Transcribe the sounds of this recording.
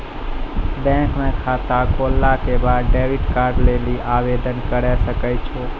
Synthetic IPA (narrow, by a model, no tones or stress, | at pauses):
bɛ̃kmẽkʰat̪ãkolːakebaɾɖeʋiʈkaɾɖleliʔaʋed̪ənkəɾeʃəkajt͡ʃʰo